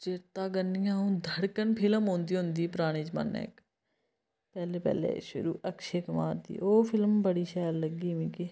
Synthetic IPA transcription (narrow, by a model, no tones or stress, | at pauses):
t͡ʃɪɾt̪aːɡənːĩːãːũːd̪ʱəɽkənpʰɪləmɦõːnd̪iːɦʊnd̪iːpɾaːɽ̃iːd͡ʒmə̰nːɛ̰ːk | pɛːleːpɛ̰ːlḛːʃʊ̰ɾṵːʔəkʃeːkəmaːɾd̪ḭːʔoːpʰɪlmbəɽiːʃɛːɾləɡiːmĩːkɪ